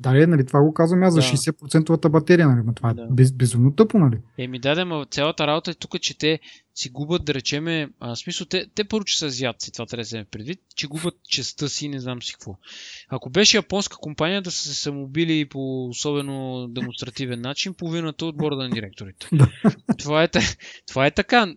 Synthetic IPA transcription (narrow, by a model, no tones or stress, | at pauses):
d̪alɛnɐlit̪ovaɡokazvɐmazzɐʃɛɛsɛt̪̚pɾot̪sɛnt̪ovɐt̪əbɐt̪ɛɾijənɐlimɐt̪ovaɛd̪bɛbɛzumnot̪ɤponɐliɛmid̪ad̪ɛmɐt̪sʲalˠət̪əɾabot̪əɛt̪ukət͡ʃɛt̪ɛ | siɡubəd̪̚d̪ɐɾɛt͡ʃɛmɛəsmisəlˠt̪ɛt̪ɛpɤɾvot͡ʃɛ̥səzʲjat̪si̥t̪ovat̪ɾɛzɛmɛfpɾɛd̪vit̪t͡ʃɛɡubʲət̪t͡ʃɛst̪ɤsinɛznamsi̥kvɔɐkobɛʃɛjɐpɔnskə̥kompanijəd̪ɐsə̥sɛsɐmobilipoːsɔbɛnod̪ɛmonst̪ɾɐt̪ivɛnːat͡ʃinpoʊvinət̪əod̪̚bɔɾd̪ənɐd̪iɾɛk̚t̪oɾit̪ɛ̥d̪at̪ovaɛt̪ɐt̪ovaɛt̪ɐka